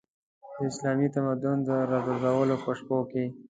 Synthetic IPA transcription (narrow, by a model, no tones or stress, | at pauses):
d̪əɪslɑmit̪amad̪ʊnd̪əɾɑɡʊɾzawəlopəʂpoke